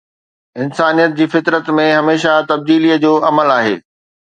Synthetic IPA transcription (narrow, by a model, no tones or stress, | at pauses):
ɪnsaːnijət̪̚d͡ʑiːfɪt̪ɾət̪mẽɦɐmeːʃat̪ɐb̚d̪iːlijəd͡ʑoːʔɐməlaːɦḛː